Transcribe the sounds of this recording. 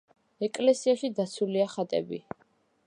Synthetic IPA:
ɛkʼlɛsiaʃid̪at̪sʰuliaχat̪ʼɛ̰bḭ

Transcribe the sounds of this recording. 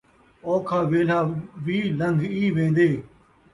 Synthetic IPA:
ɔːkʰaːʋeːlaːʋiːləŋɡʱiːʋẽːnd̪eː

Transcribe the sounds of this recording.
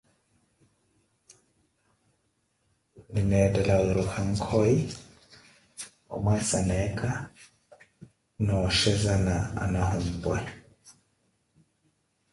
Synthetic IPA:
linɛdɛlawiɾukaŋ̩kʰɔi | ɔ̰mwasanɛka | nɔʃɛzanaa̰nahum̩bwɛ

